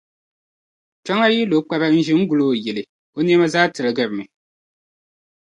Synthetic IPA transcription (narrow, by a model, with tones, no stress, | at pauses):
t͡ʃa˦ŋa˦ji˦lo˨˦k͡pa˦ba˦n̩˦ʒɪ˦ŋ̩˦ɡu˨loː˦˨jɛ˨lɨ˨ | o˦ni˦ɛ˦ma˦zaː˦tɨ˨lɨ˨ɡɨ˨ɾmɨ˨